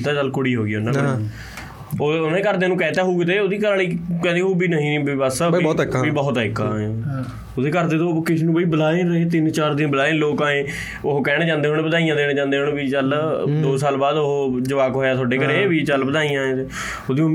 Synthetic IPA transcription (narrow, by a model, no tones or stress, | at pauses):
t̪aːt͡ʃəlkʊɽiːɦoːɡiːʊnãː | oːʊnẽkəɾd̪eːnũːkɛːt̪aːɦuːɡet̪eːoːd̪iːkəɾaliːkɛ̃ːd̪iːɦuːbiːnəɦĩːnibiːbəsɔːt̪ːbiːbɔːt̪ɛkːãːẽ | od̪eːkəɾd̪eːt̪oːkɪsnũːpəiːbəlaːeɾəɦeːt̪ɪnt͡ʃaːɾd̪ɪbəlaːẽːloːkãːẽː | oɦkɛːɽed͡ʒãːnd̪eːɦoɽbəd̪aːijãːd̪eːɽ̃d͡ʒãːnd̪eːɦoɳbiːt͡ʃəld̪oːsaːlbaːd̪oɦd͡ʒəʋaːkɦoːjaːt̪ʰʊoaːɖeːkəɾeːbiːt͡ʃəlbəd̪aːijãːẽt̪eː | oːd̪iː